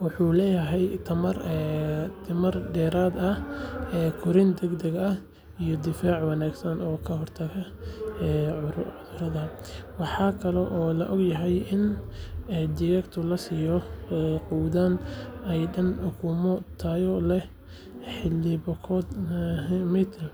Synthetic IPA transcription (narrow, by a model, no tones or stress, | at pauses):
wɑħuːlɛːjɐɦɛjt̪ʰɐmɐr | t̪ʰɪmɐrɖɛːɾaːd̪ɐɛːkʰʊɾɪnd̪ɛɡd̪ɛɡɐh | ijɔd̪ɪfaːʕwɑnaːɡsɐnɔːkʰɐɦɔrt̪ʰɐfɐɛːʕʊðʊɾɐðɐwɑħɑːkʰɐlɛʔɔːlɐ̰ʔɔɡjɐɦɛjʔɪnɛd̪ɪjɛkt̪ʰʊlɐsiːjɔɛquːd̪anɛjɖɐnʊkʰuːmɔt̪ʰaːjɔlɛ | ħɪlːɪbɔkʰɔːd̪ | mit̪ʰɛl